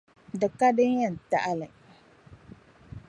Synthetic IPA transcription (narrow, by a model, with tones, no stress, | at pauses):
dɨ˨ka˦dɨ˦n˦jɛ˦˨n̩˨ta˦ʔa˦lɨ˨